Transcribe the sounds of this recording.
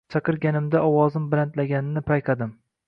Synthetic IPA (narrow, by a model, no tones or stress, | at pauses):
t͡ʃʰɑqɨɾɡʲanɪmd̪aʔɒwɒzɪmbɾant̪laɡʲanɪnɪpʰajqʰɑd̪ɪm